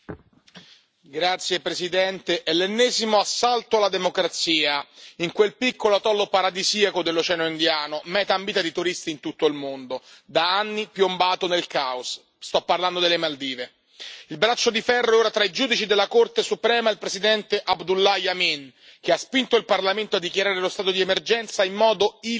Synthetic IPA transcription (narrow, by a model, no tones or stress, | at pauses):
ɡɾat̪sjepɾesid̪ɛnt̪eʔɛlːenːɛːzimoasːalt̪oalːad̪emokɾat̪siːaiŋkwelpikːolot̪ɔlːopaɾad̪iziakod̪elːot͡ʃɛːnoind̪jaːnomɛːt̪aːmbiːt̪ad̪it̪uɾist̪iːnt̪ut̪ːoilmond̪od̪aanːipjombaːt̪onelkaos | st̪ɔpːarland̪od̪elːemald̪iːve | ilbɾat͡ʃːod̪ifɛrːoɛoːɾat̪ɾaid͡ʒuːd̪it͡ʃid̪elːakort̪esupɾɛːmailpɾesid̪ɛnt̪eʔabd̪ulːajamin | k̟easpint̪oilparlament̪oad̪ːikjaɾaːɾelost̪aːt̪od̪iɛmerd͡ʒɛnt̪saimːɔːd̪oi